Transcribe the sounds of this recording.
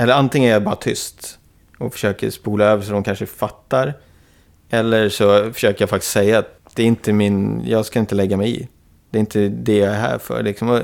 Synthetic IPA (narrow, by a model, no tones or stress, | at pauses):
ɛlːəɾant̪ɪŋənæɾjabɑːɾat̪ʰʏ̰st̪ | ɔfœ̥ʂøːkə̰ɾspuːlaøːvəʂɔd̪ɔmkʰanʂəfat̪ːaɾ | ɛlːəɾʂɔfœ̥ʂøːkəɾjafak̚t̪ɪ̥ssɛjːaːt̪̚d̪̥ɛæɾɪnt̪əmɪnjɑːɡskaɪnt̪əlɛɡːamɛjɪ̰ | d̪̥ɛːɾɪnt̪əd̪ɛjɑæɦæ̰ːɾfœ̰ɾlɪksɔmɔ